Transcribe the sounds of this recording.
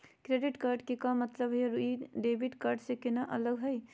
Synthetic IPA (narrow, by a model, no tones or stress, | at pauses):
kɾeɖiʈkaɾɖkekamːət̪ləbʱɦjɾuiɖebiʈkaɾɖsekɪnaʔələɡɦəj